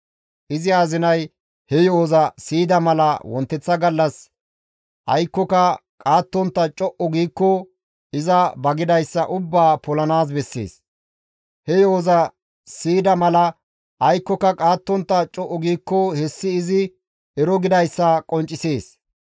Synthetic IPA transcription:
ʔɪzɪaːzɪnɐj | hɛjoːzɐsiːd̪ɐmɐlɐwɔnt̪ːɛt͡sːɐɡɐlːɐs | ʔɐjkːɔkɐkʼaːt̪ːɔnt̪ːɐt͡ʃʼɔʔɔɡiːkːɔ | ɪzɐbɐɡɪd̪ɐjsːɐ̰ʔʊbːaːpɔlɐnaːs̬bɛsːḛːs | hɛjoːzɐ | siːd̪ɐmɐlɐ | ʔɐjkːɔkɐkʼaːt̪ːɔnt̪ːɐt͡ʃʼɔʔɔɡiːkːɔhɛsːɪːzɪ | ʔɛɾɔɡɪd̪ɐjsːɐkʼɔnt͡ʃʼːɪseːs

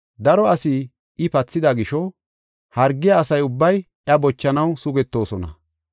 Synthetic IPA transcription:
d̪ɐɾɔɐsɪ | ɪpɐt͡sːɪd̪ɐɡɪʃɔ | hɐɾɡːɪjɐːsɐjʊbːɐj | ʔjɐbɔt͡ʃːɐnɐwsʊɡɛt̪ːo̞ːsɔnɐ̰

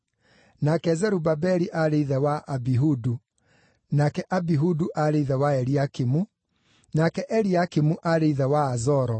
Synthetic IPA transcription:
nakɛzɛɾubabɛɾiʔaɾeiðɛwaʔabiɦudu | nakɛʔabiɦuduʔaɾeiðɛwaɛɾiakimu | nakɛʔɛɾiakimuʔaɾeiðɛwaːzɔɾɔ

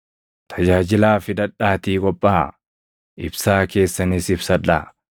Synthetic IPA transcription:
t̪ʰɐd͡ʒaːd͡ʒɪlaːfɪd̪ɐᶑːaːt̪iːkʼɔpʼːaː | ʔɪbsaːke̞ːsːɐnɪsɪbsɐᶑa̰

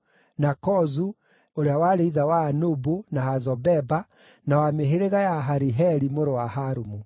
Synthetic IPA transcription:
nakɔzu | oɾeawaɾeiðawaːnobunahazɔbɛba | nawameɦeɾeɣajaɦaɾiɦɛɾimoɾowahaɾumu

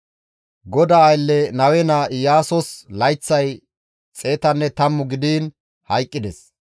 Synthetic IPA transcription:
ɡɔd̪aːjlːɛnɐwɛnajaːsɔslɐjt͡sːɐj | t͡sʼe̞ːt̪ɐnːɛt̪ɐmːʊɡɪd̪iːn | hɐjkʼːɪd̪ɛs

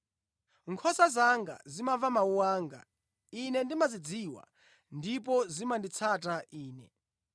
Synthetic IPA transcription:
ŋkʰɔsazaŋɡa̰zimavamauwaːŋɡa̰ | inɛndimazid͡ziwa̰ | ndip̬ɔzimandit͡sʰatʼaʔiːnɛ̰

